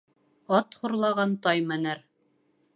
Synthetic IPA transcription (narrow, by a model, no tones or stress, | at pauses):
ɑt̪χuɾlˠɑʁɑnt̪ɑjmænɘɾ